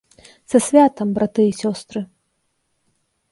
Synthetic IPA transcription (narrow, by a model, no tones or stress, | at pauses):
sɐsʲvʲat̪ɐmbɾat̪ɨisʲɔst̪ɾɨ